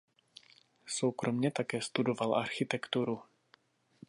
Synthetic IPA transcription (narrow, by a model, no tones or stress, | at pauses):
sowkɾo̞mɲɛt̪akɛːst̪udo̞valʔa̰ɾxɪt̪ɛkt̪uɾu